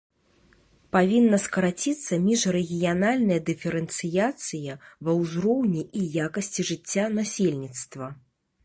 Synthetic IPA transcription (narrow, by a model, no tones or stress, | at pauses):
pavʲinːɐskɐɾat͡sʲit̪sːɐmʲiʂɾɛɣʲijanalʲnɐjɐd̪ɨfʲɛɾɛnt̪sɨjat̪sɨjɐvɐwzɾɔwnʲiʔijakɐsʲt͡sʲiʐɨt͡sʲːanasʲelʲnʲit̪st̪vɐ